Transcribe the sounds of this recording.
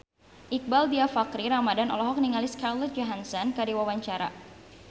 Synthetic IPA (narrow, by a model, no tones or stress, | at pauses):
ʔik̚baldiafakɾiɾamadanɔ̰lɔɦɔk̚niŋaliskarlɔt̪̚d͡ʒɔɦansɔnkadiwawaɲt͡ʃaɾa̰